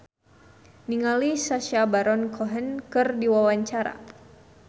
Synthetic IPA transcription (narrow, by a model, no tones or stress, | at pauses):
niŋalisaʃabaɾɔnkɔɦənkɨrdiwawaɲt͡ʃaɾa̰